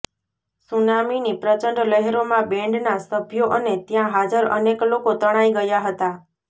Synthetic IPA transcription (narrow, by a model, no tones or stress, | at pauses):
sunaminipɾət͡ʃəɳɖləɦeɾomãbẽɳɖnasəbʱjoʔənet̪jãɦad͡ʒəɾə̰neklokot̪əɽ̃aiɡəjaɦət̪a